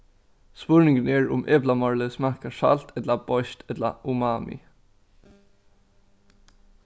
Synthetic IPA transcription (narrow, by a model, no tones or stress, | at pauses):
spʉɹnɪŋɡəneːɹʊ̰mʔeːblɑmɑɹləsmækɑʃɑ̰lt̪ʰɛd̪lɑb̥ɔʏʃt̪ɛd̪la̰ʔʊmɑːmʔɪ̰